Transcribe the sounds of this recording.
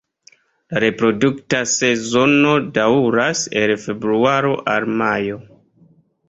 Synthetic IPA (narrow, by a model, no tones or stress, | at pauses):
laɾe̞pɾo̞duktase̞zo̞no̞dauɾase̞lfe̞bɾuaɾo̞ʔalmajo̞